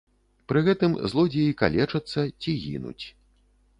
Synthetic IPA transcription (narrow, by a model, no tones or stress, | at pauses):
pɾɨɣɛt̪ɨmzlˠɔd͡zʲɛjika̰lʲɛt͡ʂɐt̪sːɐt͡sʲiɣʲḭnṵt͡sʲ